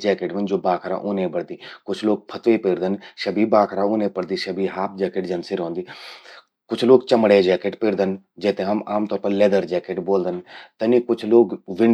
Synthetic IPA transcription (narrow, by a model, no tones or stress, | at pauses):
d͡ʒɛːkeʈmənd͡ʒoːbaːkʰɾa̰ʔoːnẽbəɽd̪iːkʊt͡ʃʰloːɡ̚pʰət̪ʋepeːɾd̪ənʃɐbʱiːbaːkʰɾaʊːnẽːpəɽd̪iːʃɐbʱiːɦaːp̚d͡ʒɛːkeʈd͡ʒənsiɾɦõːnd̪iː | kʊt͡ʃʰloːɡt͡ʃəmɽed͡ʒɛːkeʈpeːɾd̪ən | d͡ʒɛːt̪ẽɦəmaːmt̪ɔːɾpəɾlɛːd̪əɾd͡ʒɛːkeʈboːld̪ənt̪ənikʊt͡ʃʰloːɡʋɪɳ